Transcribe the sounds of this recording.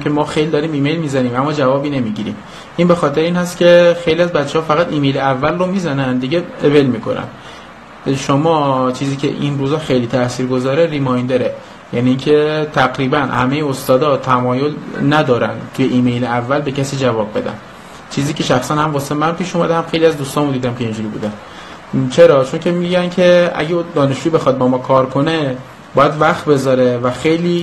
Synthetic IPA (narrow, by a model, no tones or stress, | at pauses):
kʰemɒːxejlid̪ɒɾiːmiːme̞jlmiːzæniːmæmːɒːd͡ʒævɒːbiːnemiːɟiːɾḭːm | ʔinbexɒːt̪ʰeɾeiːnhæst̪ce̞xejliæzbæt̪t͡ʃːehɒːfæɣæt̪iːmejleævːælromiːzænænd̪iɟeevelmiːkʰo̞̰næ̰n | ʃomɒːt͡ʃʰiːziːcʰḛʔinruːzɒːxejliːt̪ʰæsiːɾɡo̞zɒːɾeɾimɒjnd̪eɾe | jæniːncʰe̞t̪ʰæɣɾiːbænhæ̰mejeost̪ɒːd̪ɒt̪ʰæmɒːjolnæd̪ɒːɾænt̪ʰujeʔiːmejleævːælbe̞cæsiːd͡ʒævɒːb̚ːe̞d̪æ̰n | t͡ʃʰiːziːcʰe̞ʃæxsænhæmvɒːsemænpiːʃumæd̪ehæmxejliæzd̪uːst̪ɒːnmud̪iːd̪æmkʰeind͡ʒuːɾibṵːd̪æn | t͡ʃʰeɾɒːt͡ʃʰo̞ncʰʲe̞miɟæncʰe̞æ̰ɟed̪ɒːne̞ʃd͡ʒuːibe̞xɒd̪̚bɒːmɒːkʰɒːɾkʰo̞ne | bɒːjæd̪væxt̪be̞zɒːɾe̞væxejliː